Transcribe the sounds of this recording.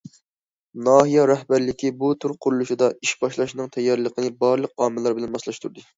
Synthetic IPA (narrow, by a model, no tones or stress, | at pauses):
nɑːɦijɑɾɛhbæɾlɪkʲibut̪ʰuɾqʰʊɾulˠuʃid̪ɑiʃbɑʃlˠɑʃnɨŋt̪ʰɛjːɑɾlˠəqʰənɨbɑɾlˠəq̚ɑːmɨlˠɑɾbɪlɛnbɑslˠɑʃt̪ʰuɾd̪ɨ